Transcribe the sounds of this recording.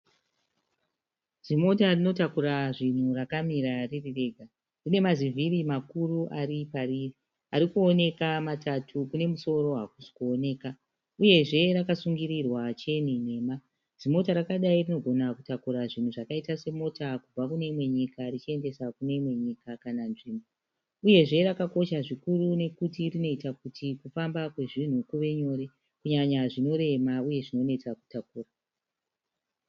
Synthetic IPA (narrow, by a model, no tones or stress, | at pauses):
zimo̞tarino̞takuɾaʐin̤urakamiɾaririre̞ːɡʱa | rine̞mazivʱiɾimakuruʔaɾipariri | aɾikuo̞ne̞kamatatʰukune̞muso̞ɾo̞ɦakusi̥kuone̞ːka | uje̞ʐe̞ɾakasuŋɡiɾirwat͡ʃe̞nine̞ːma | zimo̞taɾakaɗairino̞ɡʱo̞nakutakuɾaʐin̤uʐakaitase̞mo̞takub͡vakune̞imwe̞ɲikarit͡ʃie̞nde̞sakune̞imwe̞ɲikakananʐiːmbo | uje̞ʐe̞ɾakako̞ʃaʐikurune̞kutirino̞itakutikufambakwe̞ʐin̤ukuʋe̞ɲo̞ːɾe̞ | kuɲaɲaʐino̞ɾe̞mauje̞ʐino̞ne̞t͡saku̥takuːra